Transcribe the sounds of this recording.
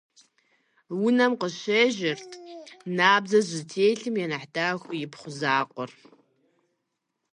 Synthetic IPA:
wʊnɐmqəɕeːʒɪrtʰnaːbzɐʑɪtʰeːjɬɨmjɛnɐħdaːxʷjɪpχʷʊzaːqʷʼɔr

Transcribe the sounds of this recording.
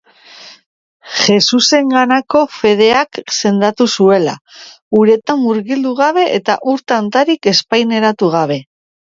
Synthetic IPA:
ʝe̞suse̞ŋɡanako̞fe̞ð̞e̞akse̞nd̪at̪usue̞la̰ | uɾe̞t̪amːuɾɣild̪uɣ̞aβe̞ʔet̪a̰ʔuɾt̪ant̪aɾike̞spajne̞ɾat̪uɣ̞aβ̞e̞

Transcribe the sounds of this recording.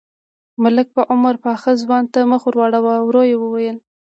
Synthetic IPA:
mʊlɪk̚pəʔʊmaɾpɑxəzwɑnt̪amaxuɾwɑɽawawɾojewəwajəl

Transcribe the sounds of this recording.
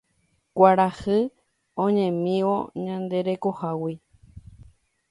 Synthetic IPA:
kʷaɾahɨ | õɲẽmĩʋo̰ɲãnd̪e̞ɾe̞kohawi

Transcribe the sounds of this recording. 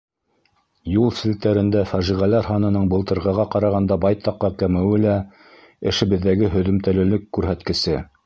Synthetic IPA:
julˠsɘ̆lt̪æɾɘ̆nd̪æfæʒiʁælæɾɦɑnɤ̆nɤɴbɤ̆lˠt̪ɤ̆ɾʁɤ̆ʁɑqɑɾɑʁɑnd̪ɑbɑjt̪ɑqːɑkæmɘ̆wɘlæ | ɘ̆ʃɘ̆βɘ̆ðːæɡɘɦɵ̆ðɵ̆mt̪ælɘ̆lɘkːʉɾɦæt̪kɘ̆sɘ

